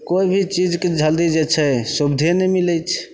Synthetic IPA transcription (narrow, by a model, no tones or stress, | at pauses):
koibʱit͡ʃid͡ʒked͡ʒʱəld̪id͡ʒet͡ʃʰɛsubd̪ʱenɛmiləjt͡ʃʰ